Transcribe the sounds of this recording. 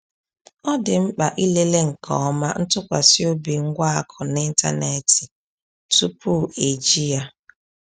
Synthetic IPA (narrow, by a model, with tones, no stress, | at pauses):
ɔ˦dɪ˨m̩˦k͡pa˨ʔi˦le˦le˦ŋ̩˨kʰɔ̰˨ɔ˦ma˦n̩˦tʊ˦kʷa̰˨si˦o˦bi˨ŋ̩˦ɡʷa˦a˨kʰɔ˨nɪ˦n̩˦ta̰˦ne˨ti˨ | tu˦pu˦e˨d͡ʒi˦ja˦